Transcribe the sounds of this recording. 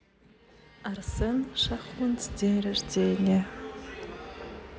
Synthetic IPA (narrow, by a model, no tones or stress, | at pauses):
arsɨnʂaχʊnt͡sʰdejrardeːnʲa